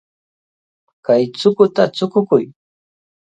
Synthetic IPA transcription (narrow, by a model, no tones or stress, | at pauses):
kajt͡sʊkʊt̪at͡sʊkʊkʊj